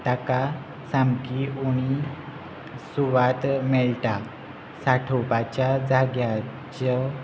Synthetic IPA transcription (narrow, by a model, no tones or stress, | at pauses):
t̪aka | samkiuɽ̃i | suʋat̪mɛɭʈa | saʈʰopat͡ɕjad͡zaɡja | t͡ɕə